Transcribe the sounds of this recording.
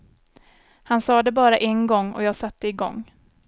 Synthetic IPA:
hansɑːd̪ɛbɑːɾaʔɛnɡɔŋːɔ̰jɑːɡsat̪ʰːəɪɡɔ̰ŋː

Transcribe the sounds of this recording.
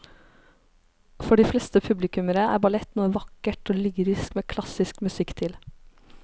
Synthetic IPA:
fɔɖiːflɛːst̪əpʰʉblɪkʉməɾəæ̰ːɾbɑlɛt̪nuːəʋɑkəʈoːlyːɾɪskmeːkʰlɑsɪskmʉsɪkt̪ʰɪl

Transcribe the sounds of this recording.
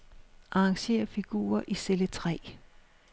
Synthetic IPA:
ʔɑ̈ɑ̈ŋɕe̝̰ːɐfiɡ̥ṵːɐʔiselət͡sʰʁɛ̰ː

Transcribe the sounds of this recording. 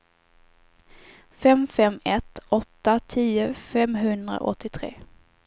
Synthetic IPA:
fɛmfɛmɛt̪ɔt̪ːat̪ʰiːʊfɛmɦɵnd̪ɾa̰ʔɔt̪ʰːɪt̪ʰɾḛː

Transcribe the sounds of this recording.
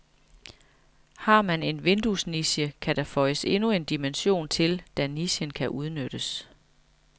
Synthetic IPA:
hɑ̈mæne̝nʋe̝nd̥usniɕjəkʰæd̥æfɒ̽ɪəse̝nue̝nd̥imenɕo̝̰ːnt͡sʰe̝ld̥æniɕənkʰæʔuð̞ˠnød̥əs

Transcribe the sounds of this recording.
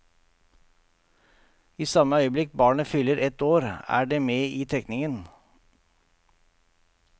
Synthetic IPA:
iːsɑməœʏəblɪk̚bɑːɳəfʏləɾʔɛt̪oːɾæ̰ːɖeːmeːiːt̪ʰɛknɪŋən

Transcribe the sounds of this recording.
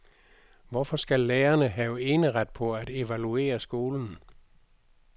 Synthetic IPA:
ʋɒfɒ̽sɡ̥ælːeːɐnəɦɛʊe̝ːnəʁad̥̚pʰɒ̽æd̥e̝ʋælue̝̰ːɐsɡ̥o̝ːln̩

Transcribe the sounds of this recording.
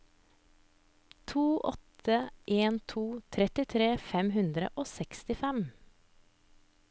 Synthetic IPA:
t̪ʰuːʔɔ̰t̪əʔeːnt̪ʰuːt̪ʰɾɛt̪ɪt̪ʰɾeːfɛmhʉnd̪ɾə̰ʔoːsɛkst̪ɪfɛm

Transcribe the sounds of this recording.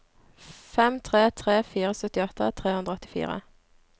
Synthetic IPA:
fɛmt̪ʰʁeːt̪ʰʁeːfiːʁəsœt̪ɪɔt̪ət̪ʰʁeːhʉnd̪ʁəɔt̪ɪ̥fḭːʁə̰

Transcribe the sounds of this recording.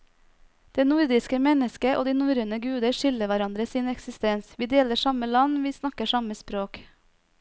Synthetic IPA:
d̪̥eːnuɾd̪ɪskəmɛnəskəʔo̰ːd̪iːnuːɾənəɡʉːd̪əɾʃʏləʋæɾɑnd̪ɾəsiːnɛksɪst̪ɛnsʋiːd̪eːləʂɑməlɑnʋiːsnɑkəʂɑməspɾoːk

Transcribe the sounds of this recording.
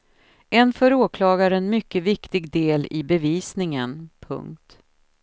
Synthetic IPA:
ʔɛnfœɾoːkʰlɑːɡaɾɛnmʏkːəvɪkt̪ɪɡd̪eːlɪbɛviːsnɪŋənpʰɵ̰ŋk̚t̪

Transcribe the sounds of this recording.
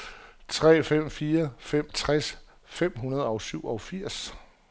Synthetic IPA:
t͡sʰʁɛ̰ːfem̰fiːɐfem̰t͡sʰʁas | fem̰ɦunɐð̞ˠɒ̽ʊsyʊ̰ɒ̽ʊfiɐ̰s

